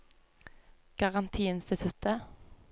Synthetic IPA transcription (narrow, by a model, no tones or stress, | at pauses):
ɡ̥ɑʁɑnt̪ʰiːɪnst̪ɪt̪ʰʉt̪ə